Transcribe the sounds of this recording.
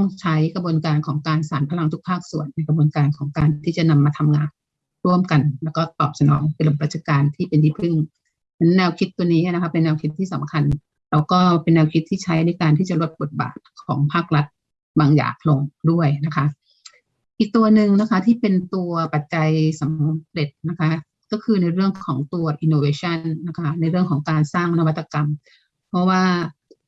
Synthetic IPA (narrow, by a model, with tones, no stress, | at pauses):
t̪ɔ˥˩ŋt͡ɕʰa˦˥jkɾa˧bu˧ənkaː˧nkʰɔː˩˦ŋkaː˧nsaː˩˦npʰa˧la˧ŋt̪ʰu˦˥pʰaː˥˩k̚su˨˩ənːa˧jkʰa˧bu˧nkaː˧nkʰɔː˩˦ŋkaː˧nt̪ʰiː˥˩t͡ɕa˨˩na˧mːaː˧t̪ʰa˧mŋaː˧n | ɾu˥˩əmka˧nlɛː˦˥wkɔː˥˩t̪ɔː˨˩p̚sa˧nɔ̰ː˩˦ŋpe˧lo˧˩pɾa˧˩t̚t͡ɕʰa˧kaː˧nt̪ʰiː˥˩pe˧nt̪ʰiː˥˩pʰɯ˥˩ŋ | a˧n˦˥nɛː˧wkʰi˦˥t̪ːu˧əniː˦˥ʔna˦˥kʰa˦˥pe˧nːɛː˧wkʰi˦˥t̪ʰːiː˥˩sa˩˦mkʰa˧n | ɾa˧˥wkɔː˥˩pe˧nːɛː˧wkʰi˦˥t̪ʰːiː˥˩t͡ɕʰa˦˥jna˧jkaː˧nt̪ʰiː˥˩t͡ɕa˨˩lo˦˥t̪̚bo˨˩t̪̚ba̰ː˨˩t̪̚kʰɔ̰ː˩˦ŋpʰaː˥˩k̚ɾa˦˥t̪̚ | baː˧ŋja̰ː˨˩k̚lo˧ŋdu˥˩əjna˦˥kʰa˦˥ | ʔi˨˩k̚t̪u˧ɐnɯ˨˩ŋna˦˥kʰa˦˥t̪ʰiː˥˩pe˧nt̪u˧ɐpa˨˩t̪̚t͡ɕa˧jsa˨˦mɾe˨˩t̪̚na˦˥kʰa˦˥ | kɔː˥˩kʰɯː˧na˧jɾɯ˥˩əŋkʰɔː˩˦ŋt̪u˧ɐʔi˧nːoː˧weː˧t͡ɕʰa˥˩nːa˦˧˥kʰa˦˥na˧jɾɯ˥˩əŋkʰɔː˩˦ŋkaː˧nsaː˥˩ŋna˧wa˦t̪ʰːa˧ka˧m | pʰɔ˦˥waː˥˩